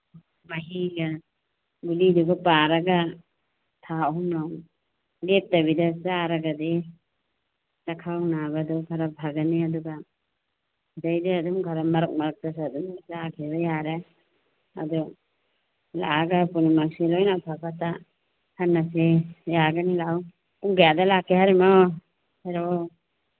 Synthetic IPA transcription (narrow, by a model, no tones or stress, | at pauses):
maɦiɡa | ɡuliduɡapaɾaɡa | t̪ʰaɦumnaw | lep̚taβidasaɾaɡade | lakʰawnabadɔɡʱaɾabʱaɡaniaduɡa | d͡ʒajdiad̪umɡʱaɾamaɾɔk̚maɾk̚t̪as̬ad̪umzaɡeɾajaɾɛ | a̰d̪ɔ | la̰aɡapunimasilɔjnabʰʱapat̪a | haɾnasijaɡanilaw | uŋɡajad̪alakɛɦaɾimɔ | hɛɾɔ